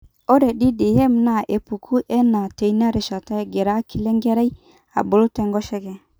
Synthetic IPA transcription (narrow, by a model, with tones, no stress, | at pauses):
ɔ˦ɾɛ˨ɗi˦dɪ˨hɛ˦m˨na˨ʔe˨pu˨kʰu˦ʔɛ˦na˨te˨i˦na˦ɾe˨ʃa˨ta˦˨ɡɛ˨ɾa˦ki˨lɛ˦ŋɡɛ˦ɾɛ˦j | a̰˨bʊ˨lʊ˦tɛ˦˨ŋɡɔ˦ʃɛ˦ɡɛ˨